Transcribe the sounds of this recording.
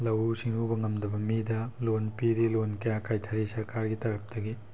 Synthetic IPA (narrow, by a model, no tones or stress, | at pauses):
lɐwusiŋubɐŋɐmdɐbɐmidɐlonpiɾilonkɐjakajtʰɐɾisɐɾkaɾɡitɐɾɐp̚tɐɡi